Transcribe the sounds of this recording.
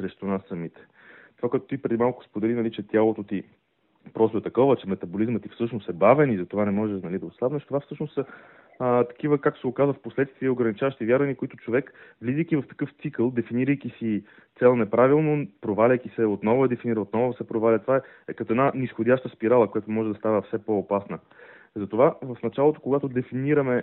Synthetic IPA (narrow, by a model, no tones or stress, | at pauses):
sɾɛʃt̪onasːɐmit̪ɛ̥ | t̪ovakoʊɛt̪o̥t̪ipɾɛd̪imalˠkʊ̥spod̪ɛlinɐlit͡ʃɛt̪ʲjalˠot̪ot̪i | pɾɔst̪oɛt̪ɐkɔvət͡ʃɛmɛt̪ɐbolizmət̪ifsɤt͡ʃnost̪ɛbavɛnizɐt̪ovanɛmɔʒɛʃnɐlid̪ɐoslavnɛʃt̪ovafsɤʃnosə | t̪ɐ̥k̟ivəkakt̪o̥sɛokazvəfposlɛt̪st̪viəoɡɾɐnit͡ʃavəʃt̪ivjaɾvɐnikoit̪ʊt͡ʃovɛkvlizijk̟ivɐft̪ɐ̥kɤft̪sikəlˠd̪ɛfiniɾəjkisi | t̪sɛlˠnɛpɾavilˠnopɾovalʲəjk̟isɛot̪nɔvʊɛd̪ɛfiniɾəot̪nɔvosɛpɾovalʲɐt̪ovaɛ | ɛkɐt̪oɛd̪nanisxod̪ʲaʃt̪əspiɾalˠəkojat̪omɔʒɛd̪ɐst̪avəfsɛpɔːpasnə | zɐt̪ovavɐfnɐt͡ʃalˠot̪o̥koɡat̪od̪ɛfiniɾɐmɛ